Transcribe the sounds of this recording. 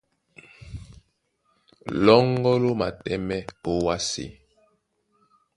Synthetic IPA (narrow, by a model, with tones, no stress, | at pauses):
lɔ˦ŋ˦ɡɔ˦lo˦ma̰˨tɛ˦mɛ˦o˦wa˦sḛ˦˨